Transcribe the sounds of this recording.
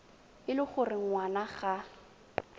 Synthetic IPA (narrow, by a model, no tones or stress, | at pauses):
ɪlɪχʊrɪŋ̩ŋwanaχa